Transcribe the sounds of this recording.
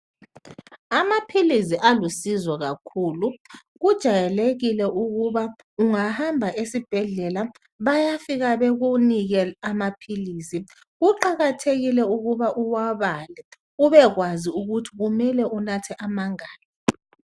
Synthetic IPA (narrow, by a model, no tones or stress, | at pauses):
amapʰilisiʔalusizwɔɣakʰuːlu | ɣud̥ʒ̥ʱajɛleɣilɛʔuɣuβa | uŋahambʱaʔesib̥ʱɛɮɛla | βajafiɣaβeɣuniɣɛamapʰiliːsi | ɣuǃaɣatʰeɣilɛuɣuβaʔuwaβalɛ | uβɛɣwaziuɣutʰiɣumɛlɛunatʰɛʔamaŋaːlɔ